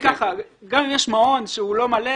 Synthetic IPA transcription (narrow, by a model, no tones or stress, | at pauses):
kaχaɡamimjeʃmao̞nʃeulo̞male